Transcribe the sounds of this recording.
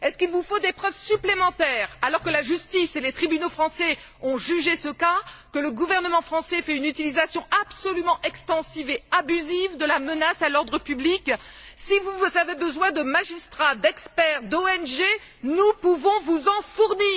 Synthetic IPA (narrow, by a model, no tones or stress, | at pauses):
ɛskilvufod̪epχœvsyplemɑ̃t̪ɛʁalɔʁkəlaʒyst̪iselet̪χibynofχɑ̃sɛ | ɔ̃ʒyʒesəkakələɡuvɛʁnəmɑ̃fχɑ̃sɛfɛynyt̪ilizasjɔ̃ʔabsɔlymɑ̃ʔɛkst̪ɑ̃siveabyzivd̪əlamənasalɔʁd̪ʁəpyblik | sivuzavebəzwɛ̃d̪əmaʒist̪χad̪ɛkspɛʁd̪oɛnʒe | nupuvɔ̃vuzɑ̃fuʁniː